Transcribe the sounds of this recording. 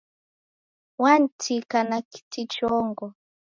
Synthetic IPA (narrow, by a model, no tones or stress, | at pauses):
wantʰikanaki̥tit͡ʃɔŋɡɔ